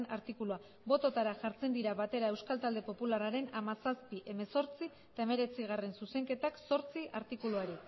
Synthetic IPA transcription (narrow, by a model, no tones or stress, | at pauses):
naɾt̪ikulua | bo̞t̪o̞t̪aɾaʝaɾt͡se̞nd̪iɾaβat̪e̞ɾae̞wskalt̪ald̪e̞po̞pularaɾe̞namasaspiʔe̞me̞so̞ɾt͡si | t̪ae̞me̞ɾe̞t͡siɣ̞are̞nsuse̞ŋke̞t̪akso̞ɾt͡siʔaɾt̪ikuluaɾi